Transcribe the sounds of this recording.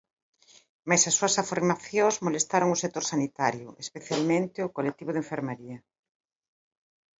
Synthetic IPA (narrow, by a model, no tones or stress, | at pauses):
majsasːuɐsafeɾmaθjozmolest̪aɾoŋʊsek̚t̪oɾsanit̪aɾjʊʔespeθjalmẽnt̪ɪʊkolet̪iβʊðeɱfeɾmeɾiɐ